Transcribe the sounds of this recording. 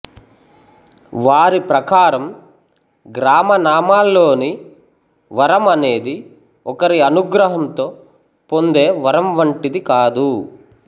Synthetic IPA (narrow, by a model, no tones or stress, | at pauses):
ʋaːɾipɾɐkaːɾɐm | ɡɾaːmɐnaːmaːlːo̞ːni | ʋɐɾɐmɐne̞ːd̪i | ɔkɐɾiɐnuɡɾɐɦɐmt̪o̞ː | po̞nd̪e̞ːʋɐɾɐmʋɐɳʈid̪ikaːd̪u